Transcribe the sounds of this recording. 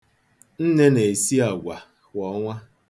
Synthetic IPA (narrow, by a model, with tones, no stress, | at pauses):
n̩˦ne˦ne˨si˦a˨ɡʷa˨ | kʷɔ˨˦ŋʷa˦